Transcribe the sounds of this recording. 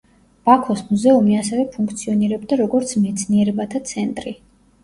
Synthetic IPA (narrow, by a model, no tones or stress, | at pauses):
b̥akʰɔsmuzɛumiasɛvɛpʰuŋkʰt̪sʰiɔniɾɛb̚d̪aɾɔɡɔɾt̪sʰmɛt̪sʰniɛɾɛbat̪ʰat̪sʰɛnt̪ʼɾi